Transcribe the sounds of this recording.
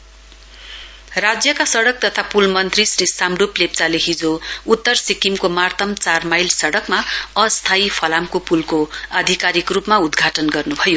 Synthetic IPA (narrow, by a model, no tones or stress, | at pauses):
rad͡zjʌkasʌɽʌk̚t̪ʌt̪ʰapulmʌnt̪risrisamɖuplep̚t͡saleɦid͡zout̪ːʌrsikimkomart̪ʰʌmt͡sarmajlsʌɽʌkmaʌst̪ʰaipʰʌlamkopulkoʌd̪ʱikaɾikrupmaud̪ɡʱaʈʌnɡʌrnubʱʌjo